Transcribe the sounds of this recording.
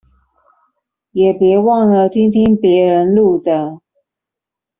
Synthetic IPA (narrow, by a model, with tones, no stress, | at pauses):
jɛ˨˩pjɛ˧˥wɑ˥˩ŋlə˨t̪ʰi˥ŋt̪ʰi˥ŋpjɛ˧˥ɻə˧˥nlu˥˩d̪ə˨